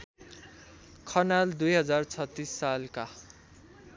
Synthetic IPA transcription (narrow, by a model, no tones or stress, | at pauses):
kʰʌnald̪ujɦʌd͡zart͡sʰʌt̪ːisːalka